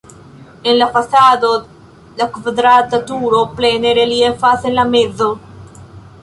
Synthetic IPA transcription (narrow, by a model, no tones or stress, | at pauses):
enlafasad̪o | lakvad̪ɾat̪at̪uɾopleneɾeliefasenlamezo